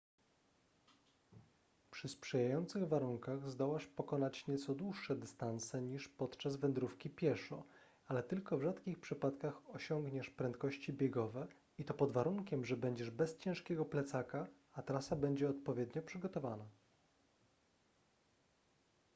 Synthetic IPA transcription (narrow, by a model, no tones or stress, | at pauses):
pʂɘspʂɛjajɔnt̪sɘɣvaɾuŋkaɣzd̪ɔwaʂpɔkɔnat͡ɕɲɛt̪sɔd̪wuʂːɛd̪ɘst̪ansɛɲiʂpɔt̪t͡ʂazvɛnd̪ɾufkʲipʲjɛʂɔ | alɛt̪ɘlkɔvʐat̪kʲixpʂɘpat̪kaxɔɕɔŋɡɲɛʂpɾɛnt̪kɔɕt͡ɕibʲjɛɡɔvɛ | it̪ɔpɔd̪vaɾuŋkʲɛmʐɛbɛɲd͡ʑɛʐbɛst͡ɕɛ̃ʂkʲɛɡɔplɛt̪saka | at̪ɾasabɛɲd͡ʑɛɔt̪̚pɔvʲjɛd̪ɲɔpʂɘɡɔt̪ɔvana